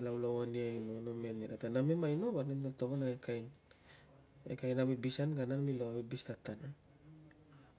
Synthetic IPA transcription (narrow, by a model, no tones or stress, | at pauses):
lawlawaniajnonomeniɾadanamemajnoβanemdatoβanaekajn | ḛkajnaβebisanɡananmiloabebistatana